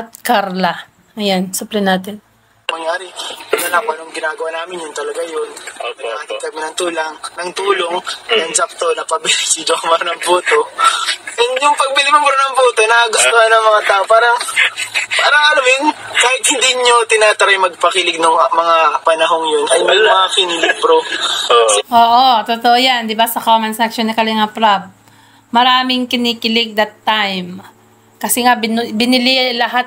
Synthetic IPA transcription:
ɐt̪̚kaɾlɐ | ʔɐjansʊplɐnaːt̪ɪn | mɐŋjaːɾɪnɐlapɐnoŋɡɪnaːɡɐwaːnaːmɪnjʊnt̪ɐlɐɡajonmɐnakɐt̪ɐkɐmɪnɐŋt̪uːlɐŋnɐŋt̪uːlo̞ŋʔɐjɐŋd͡ʒɐp̚t̪onɐpɐbilsɪd͡ʒokmɐɾnɐŋbuːt̪oʔɛnjʊŋpɐɡ̚pɪlɪmɪmʊɾnɐŋbuːt̪o̞nɐɐɡʊst̪ohanɐŋmɐŋat̪aːʔopaːɾɐŋ | paːɾɐŋʔɐlamjʊnkaːhɪt̪̚hɪnd̪iːɲot̪ɪnaːt̪ɐɾajmɐɡ̚pɐkɪlɪɡ̚nʊŋmɐŋapɐnɐɦo̞ŋjonʔɐjmɐjʊŋmɐŋakɪnɪlɪbɾo | ʔoːʔot̪ot̪oʔojand̪ɪbasɐkoːmɐnsakʃonːɐkɐlɪŋapɾab̚ | mɐɾaːmɪŋkɪniːkɪlɪɡ̚d̪ɐt̪ːajm | kɐsɛŋabɪnbɪnɪlɪlɐɦat̪

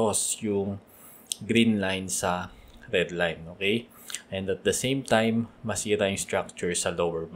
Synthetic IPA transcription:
osjʊŋ | ɡɾinlajnsɐɾɛd̪lajnʔoːkej | ʔɛ̃nd̪ɐt̪̚d̪ɐsẽjmt̪ãjmːɐsiːɾajʊŋst̪ɹak̚t͡ʃʊɹsɐlowɛɹm

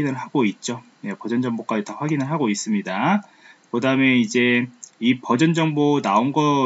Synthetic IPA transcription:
inɯɭɦaɡoit̚t͡ɕ͈o | jepʌd͡ʑʌnd͡ʑʌŋbok͈ad͡ʑitʌɸwaɡinɯɭɦaɡois͈ɯmɲida | kɯdaɯme̞id͡ʑe̞ipʌd͡ʑʌnd͡ʑʌŋbonaonɡʌ

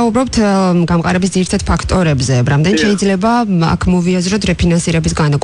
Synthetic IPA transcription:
aubɾɔp̚t̪ʰɡamqʼaɾɛbis̬d̪ziɾit̪ʰad̪̥̚pʰakʰt̪ʼɔɾɛbzɛɾamd̪ɛnt̪ʃɛid̪zlɛbaa̰kʰmɔviazɾɔt̪ʰɾɛpʰinansiɾɛbisɡanakʼ

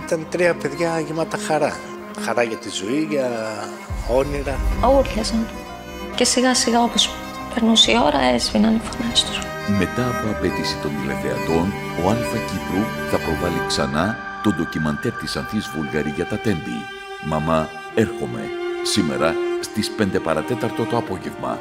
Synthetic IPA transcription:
it̪ɐnt̪ɾiɐpe̞ðʝɐʝimɐt̪ɐxɐɾɐ | xɐɾɐʝɐt̪izoiʝɐ | o̞niɾɐuɾʎɐsɐn | ce̞siɣɐsiɣɐo̞pos | peɾnusio̞ɾɐezvinɐnifonɐst̪u̥ | me̞t̪ɐːpo̞ɐpe̞t̪isi̥t̪o̞nd̪ilefeɐ̰t̪o̞n | o̞ɐlfɐcipɾuθɐpɾo̞vɐliksɐ̰nɐ | t̪o̞nd̪o̞cimɐnt̪e̞ɾt̪isɐnθizvulɣɐɾiʝɐt̪ɐt̪e̞nd̪ḭ | mɐmɐ | e̞ɾxo̞me̞̰sime̞̰ɾɐst̪ispe̞nd̪e̞pɐɾɐt̪e̞t̪ɐɾt̪o̞t̪o̞ɐpo̞ʝe̞vmɐ̰

